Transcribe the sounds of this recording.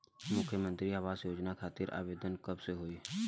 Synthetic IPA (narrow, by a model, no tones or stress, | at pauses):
mʊkʰjəmə̃nt̪ɾiɦəʋaːsjoːd͡ʒnakʰaːt̪ɪɾʔa̰ːʋeːd̪ənkəbseɦoi